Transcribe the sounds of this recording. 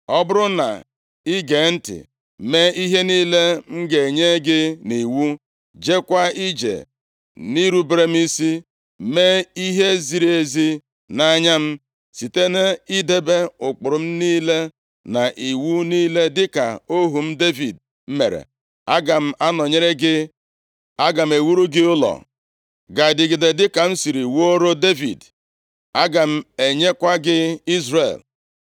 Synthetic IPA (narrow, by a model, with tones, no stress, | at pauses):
ɔ˦bʊ˦ɾʊ˦na̰˨ | i˦ɡe˨n̩˦tɪ̰˨ | me˦i˦ɦe˦niː˦le˦m̩˦ɡe˨ɲe˦ɡɪ˦ni˨wu˦ | d͡ʒe˦kʷa˦i˦d͡ʒḛ˨ | ni˦ɾu˦bɾe˦m̩˦i˦si˦ | me˦i˦ɦe˦zi˨ɾe˦zi˦ | na˦ɲa˦m̩˦ | si˨te˦ne˦i˦de˦be˦ʊ˨k͡pʊ˨ɾʊ˨m̩˦niː˦le˦ | na˨ʔi˨wu˦niː˦le˦dɪ˦ka̰˨o˦ɦu˨m̩˦de˦vi˨d | m̩˦mḛ˨ɾḛ˨ | a˦ɡa˨m̩˦ʔa˦nɔ˨ɲe˦ɾe˦ɡɪ˦ | a˦ɡa˨m̩˨e˨wu˦ɾu˦ɡɪ˦ʊ˦lɔ̰˨ | ɡa˨dɪ˨ɡɪ˨de˨dɪ˦ka˨n̩˦si˨ɾi˨wo˦ɾo˦de˦vḭ˨d | a˦ɡa˨m̩˦e˨ɲe˦kʷa˦ɡɪ˦i˦zrḛ˨l